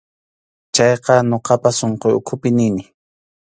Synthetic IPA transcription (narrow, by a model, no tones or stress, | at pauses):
t͡ʃɑjqɑnoqɑpasoɴqojʊkʰʊpɪnɪnɪ